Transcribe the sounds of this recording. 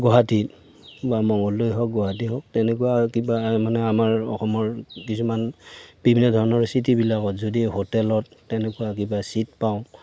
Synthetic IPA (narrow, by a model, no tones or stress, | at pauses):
ɡɔɦati | bamɔŋɡɔlːojɦɔk̚ɡɔɦatiɦɔk̚tɛnɛkuakibamanɛamaɹɔ̰xɔmɔɹkisumanb̥ibʱinːɔdʱɔɹɔnɔɹsitibilakɔtzodiɦotɛlɔtːɛnɛkuwak̬ibasit̚paʊ̃